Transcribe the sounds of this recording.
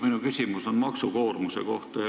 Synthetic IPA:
minukysʲimuso̞nmɑksuko̞ːrmuseko̞ht̪ɑjɑ

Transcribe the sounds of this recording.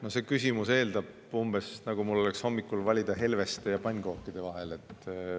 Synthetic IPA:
nose̞kys̬ʲimuse̞ːld̪̥ɑb̥ | umb̥e̞snɑɡ̥umulːo̞leksho̞mːikːˑulvɑlʲid̪̥ɑɦe̞lve̞st̪ejɑpɑnʲɡ̥o̞ːkːˑid̪̥e̞vɑɦe̞le̞t̪ːˑ

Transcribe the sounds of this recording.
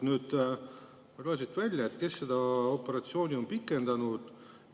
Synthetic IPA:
nyːd̪̥ | roɑsit̪ːˑvælʲjɑet̪ːˑke̞sːed̪ɑo̞pːe̞ɾɑt̪sio̞ːnʲio̞mpikːˑe̞nd̪̥ɑnud̪̥

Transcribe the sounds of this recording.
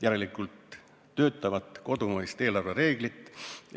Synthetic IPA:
jæɾe̞likːˑult̪ː | ø̞ːt̪ːˑɑvɑt̪ko̞d̪umɤist̪e̞ːlɑrveɾe̞ːɡlit̪ːˑ

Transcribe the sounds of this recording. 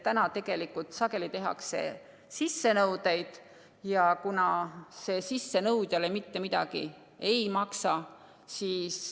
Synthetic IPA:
t̪ænɑt̪e̞ɡ̥e̞likːˑult̪sɑke̞lit̪e̞ɦɑ̰kse̞̰ | sisːe̞nɤwd̪̥ejd̪̥ | jɑkunɑse̞ːsisːe̞nɤwd̪̥jɑlemit̪ːe̞mid̪̥ɑ̰ɡ̥ḭ | e̞jmɑksɑ | siːs

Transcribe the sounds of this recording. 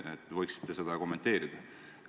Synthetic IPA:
et̪ːˑvɤjksi̥t̪ːe̞se̞d̪̥ɑko̞mːe̞nt̪ːe̞ːɾid̪̥ɑ

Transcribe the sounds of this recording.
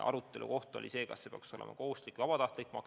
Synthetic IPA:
ʔɑ̰ɾut̪ˑːe̞lṵko̞ht̪o̞̰lʲʔise̞ːkɑ̰sːepeɑ̰kso̞lḛmɑ̰ko̞hust̪likːˑvɑb̥ɑt̪ɑht̪likːmɑk

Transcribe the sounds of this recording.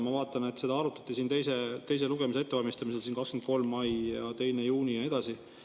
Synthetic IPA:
mɑvɑːt̪ːˑɑne̞t̪ːˑse̞d̪ɑɑɾut̪ːˑɑ̥t̪ːˑisiːnt̪e̞js̬et̪e̞js̬e̞luɡ̥e̞mis̬eet̪ːevɑlmist̪ɑmise̞lsiːnkɑkskmend̪ko̞lmːɑjjɑt̪e̞jnejuːnijɑne̞d̪̥ɑsi

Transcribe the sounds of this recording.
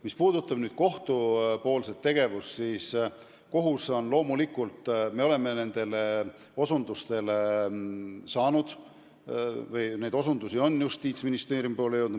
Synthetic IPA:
mispuːd̪̥ut̪ːˑɑb̥nyːd̪̥̚ko̞ht̪upo̞ːlset̪ːe̞ɡ̥e̞vussiːs | ko̞ɦuso̞nlo̞ːmulikːult̪ˑme̞o̞le̞me̞ne̞nd̪̥e̞le | o̞sund̪ust̪e̞le | sɑːnud̪̥ | vɯjne̞jd̪o̞sund̪usio̞nːjust̪iːt̪sminist̪e̞ːɾjumpoːlejewd̪u

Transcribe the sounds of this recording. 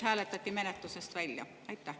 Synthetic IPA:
hæːlet̪ːæt̪ːimenæt̪ːusest̪ʋælʲjɑ̰ | ɑit̪ːæ

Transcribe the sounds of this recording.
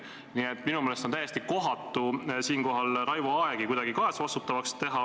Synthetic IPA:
niet̪ːˑminumelest̪ont̪æjːe̞st̪iko̞ɦɑt̪ːˑusiːnko̞ɦɑlɾɑjvuɑeɡ̥ikujd̪ɑɡikɑesɑvɑst̪ut̪ːˑɑvɑkst̪e̞ɦɑ

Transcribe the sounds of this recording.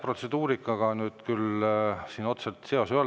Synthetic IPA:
pro̞t̪se̞d̪uːɾikːˑɑɡɑnyːd̪kylsiːno̞t̪selt̪seo̞syøo

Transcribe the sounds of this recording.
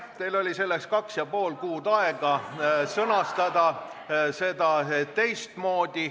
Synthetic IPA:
t̪elo̞lʲise̞lːekskɑksjɑpo̞ːlkuːd̪ɑeɡ̥ɑsɤnɑst̪ɑd̪ɑse̞d̪ɑt̪e̞jst̪mo̞ːd̪̥i

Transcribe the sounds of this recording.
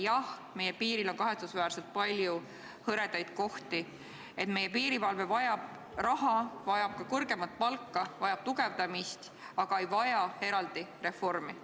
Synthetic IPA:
jɑh | me̞jepiːɾilo̞nkɑɦe̞t̪susvæːɾse̞lt̪̚pɑlʲju | hɤɾe̞d̪ɑjd̪̥̚ko̞ht̪i | e̞t̪me̞je̞piːɾivɑlvevɑjɑb̥ | rɑhɑvɑjɑb̥̚kɑkɤrɡ̥e̞mɑt̪̚ːˑpɑlkːˑɑvɑjɑb̥̚t̪uɡe̞vd̪ɑmist̪ | ɑɡ̥ɑejvɑjɑe̞ɾɑld̪̥ire̞fo̞rmi

